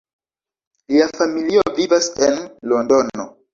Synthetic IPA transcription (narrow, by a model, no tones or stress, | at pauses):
liafamiliovivasenlondo̞no